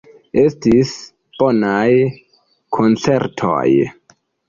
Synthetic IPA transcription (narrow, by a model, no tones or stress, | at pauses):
estis | b̥onaj | kʰont͡seɾtʰo̰j